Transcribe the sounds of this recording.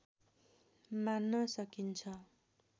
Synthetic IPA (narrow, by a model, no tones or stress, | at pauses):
manːʌsʌkint͡sʰʌ